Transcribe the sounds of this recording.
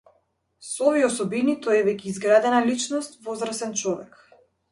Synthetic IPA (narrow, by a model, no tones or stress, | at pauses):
sɔɔviɛɔsɔbinit̪ɔɛvɛkʲɛːzɡɾad̪ɛnalit͡ʃnɔst̪vɔzɾasɛnt͡ʃɔvɛk